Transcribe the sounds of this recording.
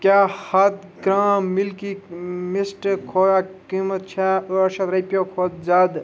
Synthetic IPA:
kjahɐt̪ɡɾãːmilkimisʈkʰojakimət̪̚t͡ʃʰaɐʃɐt̪ɾɐjpjokʰot̪̚d͡ʒad̪

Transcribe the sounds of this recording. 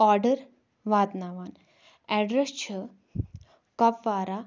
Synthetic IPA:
ɔɾɖəɾ | ʋaːd̪naʋan | ɛɖɾest͡ɕʰə | kɐpʋaːɾa

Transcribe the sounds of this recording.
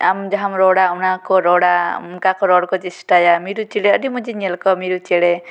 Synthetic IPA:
a̰md͡ʒaɦamɾɔɽaunakɔɾɔɽamkakɔɾɔɽkɔt͡ʃisʈajamiɾut͡ʃiɽɛɔɖimud͡ʒiɲɛlkɔmiɾut͡ʃɛɽɛ

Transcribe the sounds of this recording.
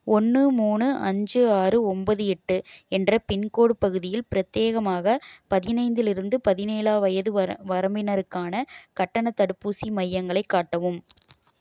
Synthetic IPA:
ɔnːɯmuːnɯʔɐ̰ɲd͡ʒɯaːrɯɔmbɐðɯɛʈːɯɛndrɐpɪnkoːɽɯpɐɣɯðɪjɪlpɪɾɐt̪ːeːɣɐmaːɣɐpɐðɪnɐɪnd̪ɪlɪɾɯnd̪ɯpɐðɪneːlaːʋɐjɐðɯʋɐɾɐmbɪnɐɾɯkːaːnɐkɐʈːɐnɐt̪ːɐɽɯpːuːsimɐjːɐŋɡɐɭɐɪkːaːʈːɐʋɯm

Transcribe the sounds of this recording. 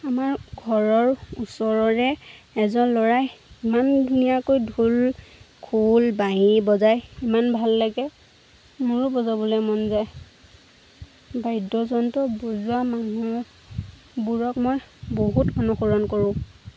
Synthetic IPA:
amaɹɡʱɔɹɔɹusɔɹɔɹɛ | ɛzɔnlɔɹajimandunijakojdʱul | kʰulbaɦibɔzajimanbʱalːaɡɛ | muɹubɔzabɔlɛmɔnzaj | bajdɔzɔntɔbozuamanu | buɹɔkmojboɦutɔnuxuɹɔnkoɹʊ̃

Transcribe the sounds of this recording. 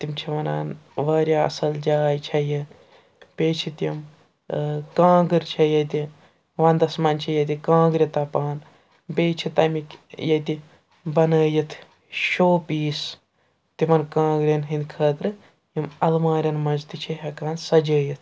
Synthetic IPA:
t̪imt͡ʃʰiʋɐna̰ːnʋaːɾʲjaːɐ̰sɐld͡ʒaːjt͡ʃʰɐjɐ | pʲeːt͡ʃʰit̪jim | kãːɡɨɾʲt͡ʃʰɐjɐt̪i | ʋãːnd̪ɐsmɐnʲt͡ʃʰɐjɐt̪ikãːɡɾʲɐt̪ɐpaːn | beːt͡ʃʰit̪ɐmikjɐt̪i | bɐnəːjɐt̪ʰ | ʃoːpiːs | t̪imɐnkãːɡɾʲɐnɦind̪ʲkʰəːt̪ɾɨ | jimɐlmaːɾʲɐnmɐd͡ʒt̪it͡ʃʰɐɦɐkaːnsɐd͡ʒəːjɐt̪ʰ

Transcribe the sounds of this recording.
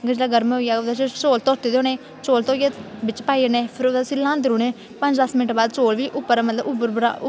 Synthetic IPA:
ɡəd͡ʒlaːɡəɾmoːɡaːod̪at͡ʃːt͡ʃoːlt̪ɔːt̪eːd̪oːneː | t͡ʃoːlt̪oːɡebɪt͡ʃpaːiəneːpʰɪɾoːd̪aːsilːãːnd̪ɪɾuːnẽː | pə̃ɲd͡ʒd̪asmɪnɪʈbaːd̪t͡ʃoːlʋiːʔʊpːəɾmət̪ləbʊbəɾbɾa̰

